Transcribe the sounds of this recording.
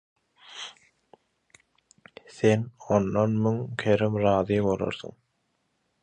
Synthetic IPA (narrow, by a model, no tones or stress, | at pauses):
θenonːonmyŋkʲʰeɾɪmɾɑːðijmbolˠo̰ɾθṵŋ